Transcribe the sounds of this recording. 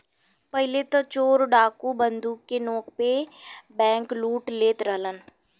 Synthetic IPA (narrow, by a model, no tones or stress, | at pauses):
pəɦɪlet̪at͡ʃoːɾɖaːkubənd̪uːkːenoːk̚pebɛ̃ːŋkluːʈleːt̪ɾəɦlən